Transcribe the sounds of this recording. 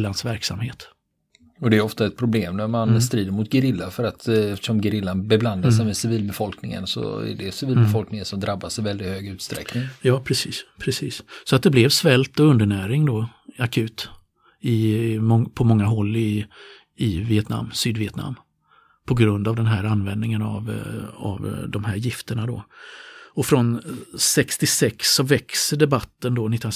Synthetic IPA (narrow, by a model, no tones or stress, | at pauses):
lːansvæɾksa̰mheːt̪ | ɔd̪ɛːɔft̪aɛt̪̚pʰɾʊbleːmnæɾmanst̪ɾiːd̪əɾmʊt̪̚ɡəɾɪlːafœɾat̪ɛft̪ə̥ʂɔmɡəɾɪlːanbɛbland̪asɛɪmɛsɪviːlbɛfɔlknɪŋə̰nsɔ̰æ̰ɖɛsɪviːlbɛfɔlknɪŋənsɔmd̪ɾabːasɛvɛld̪ɪt̪høːɡʉ̟ːt̪st̪ɾɛ̰knɪŋjɑːpʰɾɛsiːspʰɾɛsiːssɔat̪̚d̪ɛblɛvsvɛlt̪ɔɵnd̪əɳæːɾɪŋd̪ɔakʰʉ̟ːt̪ | ɪmɔŋpʰɔmɔŋːaɦɔlːɪ | ɪvɪɛt̪na̰mːsyːd̪vɪɛt̪na̰mː | pʰɔɡɾɵnd̪avd̪ɛnɦæːɾanvɛnd̪nɪŋəna̰va̰vd̪ɔmɦæːɾjɪft̪əɳad̪ɔ̰ | ɔfɾɔnsɛkst̪ɪsɛksːɔvɛksəɖ̪ɛbat̪ːənd̪ɔnɪt̪ːn